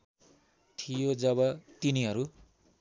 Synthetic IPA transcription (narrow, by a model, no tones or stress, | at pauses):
t̪ʰijod͡zʌbʌt̪iniɦʌɾu